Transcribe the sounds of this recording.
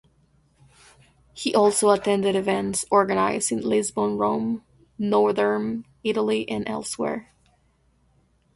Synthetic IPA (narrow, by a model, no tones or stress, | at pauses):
hiʔɔlˠsoʊətʰɛ̃ndɨɾɨvɛ̃ntsɔɹɡɨnaɪzɨ̃nlɪzbõʊ̃nɹõʊ̃m | nɔɹðə̃˞m | ɪɾl̩ˠiʔɨ̃nʔɛ̰lˠswɛ̰ɹ